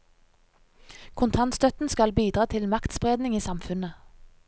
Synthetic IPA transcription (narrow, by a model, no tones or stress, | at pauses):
kʰʊnt̪ʰɑnst̪œt̪n̩skɑlbiːd̪ʁɑːt̪ʰɪlmɑkt̪spʁeːd̪nɪŋiːsɑmfʉnə